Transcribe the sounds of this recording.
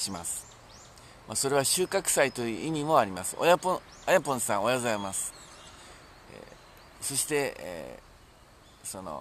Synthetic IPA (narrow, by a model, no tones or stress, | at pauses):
ɕimasɨ̥ | maso̞ɾe̞βaɕɨːkakɯ̟̥sait̪o̞jɯ̟ʔimʲimo̞aɾʲimasɨ̥ʔo̰japõ | ajapõ̞ɰ̃sãɰ̃o̞jazajemasɨ̥ | so̞ɕi̥t̪e̞̰ | so̞no̞̰